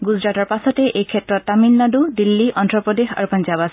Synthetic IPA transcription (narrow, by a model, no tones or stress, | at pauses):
ɡuzɹatɔɹpasɔtɛʔejkʰɛtɹɔtːamilːadudilːiʔɔntɹɔpɹɔdexa̰ɹupanzabas